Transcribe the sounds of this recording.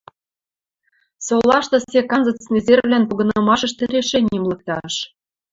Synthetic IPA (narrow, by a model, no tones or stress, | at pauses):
solˠɑʃt̪ɤ̆sʲekɑnzɤ̆t͡snezervlænpuɣɤ̆nɤ̆mɑʃɤ̆ʃt̪ɘ̆ɾʲeʃenʲimlˠɤ̆k̚t̪ɑʃ